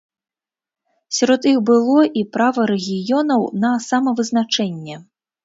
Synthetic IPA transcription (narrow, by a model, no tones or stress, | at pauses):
sʲaɾɔt̪ixbɨlˠɔʔipɾavɐɾɛɣʲijɔnɐwnɐsamɐvɨznat͡ʂɛnʲːɛ